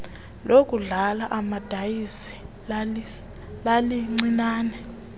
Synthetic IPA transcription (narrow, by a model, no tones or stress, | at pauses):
lok̬ʼuɮalaʔamad̥ʱajisi̥ | l | laliŋ͡ǀinaːnɛ